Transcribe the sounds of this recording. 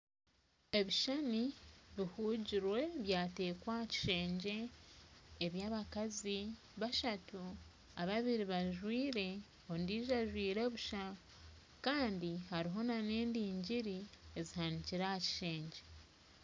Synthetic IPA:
e̞βiʃaniβihuːɟiɾwe̞βjaːte̞ːkwaci̥ʃe̞ːɲɟe̞ː | βjaːβakazi | βaʃatu | aβaβiɾiβaʒwiːɾe̞ | ondiːʒaʒwiːɾe̞βuʃa | kaːndihaɾiɦo̞nane̞ːndiːɲɟiɾie̞zihaniciɾahaci̥ʃe̞ːɲɟe̞

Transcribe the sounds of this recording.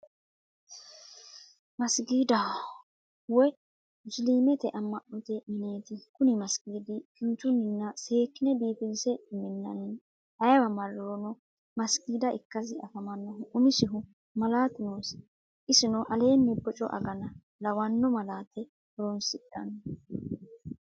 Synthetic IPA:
mɐsɡiːd̪ɐ | wɔ | ʊsliːmɛt̪ɛʔɐmːɐʔɔt̪ɛmɪne̞ːt̪ɪkʊnɪmɐsɡ̥iːd̪ɪkɪnt̪ːʊnːɪnːɐse̞ːkːɪnɛbiːpɪnsɛmɪnːɐ̰n | ɐjwɐmɐɾonɔ | mɐsɡiːd̪ɐʔɪkːɐsɪʔɐkɐmɐnːɐɦʊʔʊmɪsɪɦʊ | mɐlaːt̪ɪnoːs | ʔɪsɪnɔʔɐle̞ːnːɛbɔt͡ʃʼɔ̰ʔɐ̰ɡɐnɐ | lɐwɐnːɔmɐlaːt̪ɛ | ɔɾɔnsɪᶑɐ̰n

